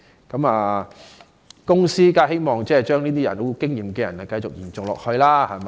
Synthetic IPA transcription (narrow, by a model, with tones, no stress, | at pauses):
kɐ˨˦maː˨˩ | kʊ˥ŋsiː˥kaː˥he˥jmɔː˨˩ŋt͡sɛː˥˩˨t͡ʃœː˥ŋniː˥t̪iː˥jɐ˨˩no˨˧kɪ˥ŋjiː˨mkɛː˧jɐ̰˨˩nɐ˨˩kɐ˧jt͡ʃʊ˨k̚jiː˨˩nt͡sʊ˨ŋlɔ̰ː˨k̚hɵ˧ɥlaː˥hɐ˨mɐ˧